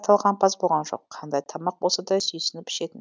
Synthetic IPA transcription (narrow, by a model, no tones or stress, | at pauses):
t̪ʰɑlˠʁɑnpʰɑsbo̞lˠʁɑnʒo̞̰qʰːɑnd̪ɑjt̪ʰɑmɑq̚bo̞lˠsɑd̪ɑsʏjsɪnɪpɪ̥ʃe̞t̪ɪn